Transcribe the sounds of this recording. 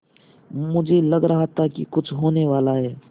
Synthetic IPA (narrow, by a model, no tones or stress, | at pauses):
mʊd͡ʒʱelɐɡɾɐɦat̪ʰakḭkʊt͡ʃʰɦoːneʋaːlaɦɛː